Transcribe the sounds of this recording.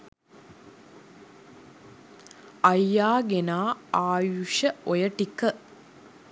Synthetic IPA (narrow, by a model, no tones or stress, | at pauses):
ɐjːaːɡenaːaːjuʂəojəʈikːə